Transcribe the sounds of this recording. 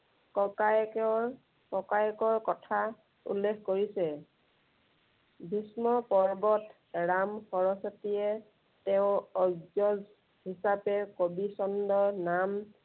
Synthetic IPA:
kɔka | kɔkajkɔɹkɔtʰa | ṵlːekʰkoɹisɛ | bʱismɔpɔɹbɔt | ɹamxɔɹɔsɔtijɛ | tɛʊ̃ɔɡzɔz | hisapɛkobisɔndɔnam

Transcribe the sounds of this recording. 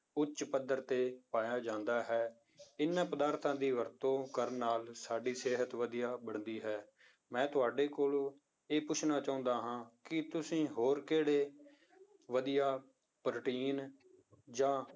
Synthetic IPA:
ʊt͡ʃpəd̪əɾt̪eːpaːjaːd͡ʒãːnd̪aːɦɛː | ɪnːãːpəd̪aːɾt̪ʰãːd̪iːʋəɾt̪õːkəɾnaːlsaːɖiːseːɦət̪ʋəd̪ijaːbəɳd̪iːɦɛː | mɛ̃ːt̪ʊaːɖeːkoːloː | eːpʊt͡ʃʰnaːt͡ʃaːʊ̃nd̪aːɦãːkɪt̪ʊsĩːɦoːɾkeːɽeː | ʋəd̪ijaː | pɾəʈiːn | d͡ʒãː

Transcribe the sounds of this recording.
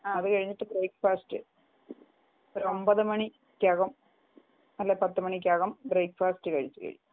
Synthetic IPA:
aːɐðɨkɐɻiɲːiʈːɨbreːkfaːstɨ | oɾombɐðɨmɐɳi | kʲːjaːɣɐm | ɐlːepɐt̪ːɨmɐɳik̬ʲːjaːɣɐmbreːkfaːstɨkɐɻit͡ɕːɨkɐ̰ɻḭɲːu

